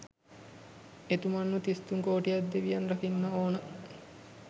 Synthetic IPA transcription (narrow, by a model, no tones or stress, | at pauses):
et̪umanːut̪ist̪uŋkoːʈijad̪d̪eʋijanrɐkinːəoːnə